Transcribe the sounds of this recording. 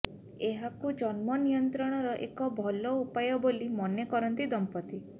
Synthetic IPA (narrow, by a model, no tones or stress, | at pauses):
eɦakud͡ʒɔnmɔnijɔnt̪ɾɔɽ̃ɔɾɔʔḛkɔbʱɔlɔupajɔbolimɔnekɔɾɔnt̪id̪ɔmpɔt̪i